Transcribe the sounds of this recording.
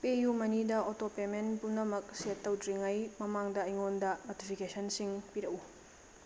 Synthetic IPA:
pejumɐnidɐotopemenpumnɐmɐk̚setːɐwtɾiŋɐjmɐmaŋdɐːjŋondɐnotipʰikesɐnsiŋpiɾɐʔu

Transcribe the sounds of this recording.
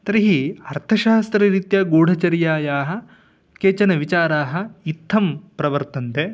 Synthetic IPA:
t̪ɐɾiɦiɐɾt̪ʰɐʃaːst̪ɾɐɾit̪jɐɡoːɽ̤ʱɐt͡ʃɐɾjaːjaːɦɐ̆ | keːt͡ʃɐnɐʋit͡ʃaːɾaːɦɐ̆it̪ʰːɐmpɾɐʋɐɾt̪ɐnt̪e

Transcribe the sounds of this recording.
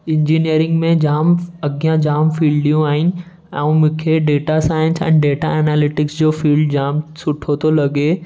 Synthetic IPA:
ɪ̃ɲd͡ʒiːnijəɾɪ̃ŋɡmẽd͡ʒaːmɐɡijãd͡ʒaːmfiːlɖijũaːɪn | ɛ̃ũmʊkʰeɖeːʈasaːɪ̃nsɛ̰̃ːɳɖeːʈaɛːnaːlɪʈɪksd͡ʒoːfʰiːlɖd͡ʒaːmsʊʈʰot̪olɐɡe

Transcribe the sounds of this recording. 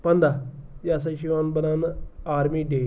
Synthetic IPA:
pənd̪aːjaːs̬ə̃ʃiaːnbənaːnaːɾmiːɖeː

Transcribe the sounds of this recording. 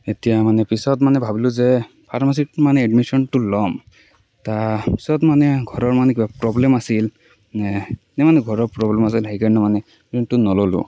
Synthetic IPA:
etijamanɛpisɔtmanɛbʱabilʊzɛ | pʰaɹmas̬itmanɛɛɖmisɔnʈulɔm | tapisɔtmanɛɡʱɔɹɔɹmanɛkibapɹɔblemasil | nɛmanɛɡʱɔɹɔɹpɹɔblemas̬ilɦajkanɔmanɛ | pisɔntunɔlɔlṵ

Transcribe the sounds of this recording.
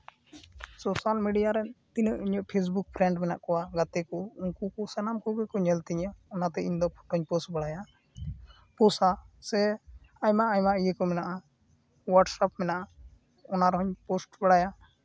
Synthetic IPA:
sɔsalmiɖijaɾɛnt̪inəʔiɲɔʔpʰes̬buk̚pʰɾɛɳʈmɛna̰ʔkɔwaɡat̪ɛkɔuŋkukɔsɛnamkɔɡɛkɔɲɛlt̪iɲaɔnat̪ɛiɲd̪ɔpʰɔ̥ʈɦɔɲpɔsʈbəɽaja | pɔsasɛ | amaːjmaʔijɛkɔmɛnaʔa | waɖsapmɛnaʔa | ɔnaɾɔɦɔɲpɔsʈbəɽaja

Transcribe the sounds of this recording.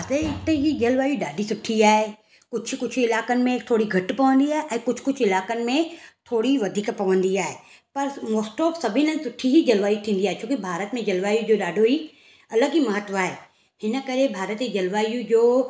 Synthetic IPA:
zeɪt̪eɦid͡ʑɐlʋaːjuɗaːɖʱisʊʈʰːiaːɦe | kʊd͡ʑʰʊ̆kʊt͡ɕʰɪlaːkənɪ̆mẽt̪ʰoːɽiɡʱɐʈpɐʋə̃nd̪iaːɦeʔɛ̃ːkʊd͡ʑʱkʊd͡ʑʰɪlaːkənɪ̆mẽt̪ʰoːɽiʋɐd̪ʱiːkpɐʋə̃nd̪iaːɦe | pɐɾmoːsʈɔːpsɐbʱɪnə̃sʊʈʰːiɦid͡ʑɐlʋaːjut̪ʰĩːn̆d̪iaːɦet͡ʃt͡ɕʰõːkibʱaːɾət̪mẽd͡ʑɐlʋaːjud͡ʑoːɗaːɖʱoɦi | ɐləɡimɐɦət̪ʋaːɦeː | hɪnə̆kɐɾebʱaːɾət̪id͡ʑɐlʋaːjũd͡ʑoː

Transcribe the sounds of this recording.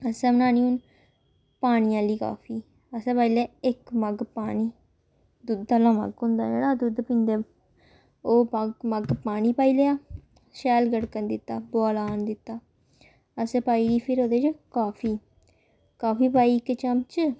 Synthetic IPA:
əsɛ̃ːmənaːniːʊn | paːnijãːliːka̰ːfʰiː | əsɛ̃ːpaːilɛːɪkməɡpaːniː | d̪ud̪əlãːmə̰ɡɦʊ̃nd̪a̰ːd͡ʒḛːɽaːd̪ud̪pɪ̃nd̪eː | oːpaɡməɡpaːniːpaːiːleːaː | ʃɛːlɡəɽkənd̪ɪt̪ːaːboːlaːnd̪ɪt̪ːaː | əsɛ̃ːpaːiːɡiːpʰɪɾoːd̪eːt͡ʃkaːpʰiː | kaːfʰiːpaːiːkːet͡ʃəmt͡ʃə

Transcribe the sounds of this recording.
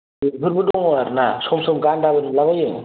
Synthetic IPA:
ɯbʱɯɾbɯdɔŋɔaɾnasɔmsɯmɡandabɯnlaβajɯŋ

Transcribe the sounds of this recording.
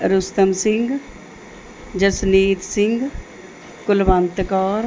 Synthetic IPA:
ɾʊst̪əmsɪ̃ŋɡ | d͡ʒəsniːt̪sɪŋɡ | kʊlbənt̪kɔːɾ

